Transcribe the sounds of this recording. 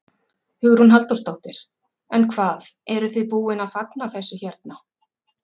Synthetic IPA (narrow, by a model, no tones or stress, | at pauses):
hʏɣɾhunɦalt̪ɔwst̪owht̪ɪɾ̥ | ɛnkʰvaːðɛɾʏθʏpuːɪnaðfat̪naθɛsːʏçɛɾt̪̚na